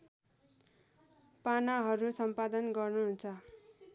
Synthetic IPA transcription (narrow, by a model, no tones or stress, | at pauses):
panaɦʌɾusʌmpad̪ʌnɡʌrnuɦunt͡sʰʌ